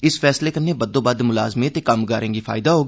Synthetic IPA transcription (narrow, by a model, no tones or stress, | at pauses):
ɪsfʰɛːsleːkənːeːbəd̪õːbad̪mʊla̰ːzmẽːt̪eːkəmɡaːɾẽːɡiːpʰa̰ːɪd̪aːɦoːɡi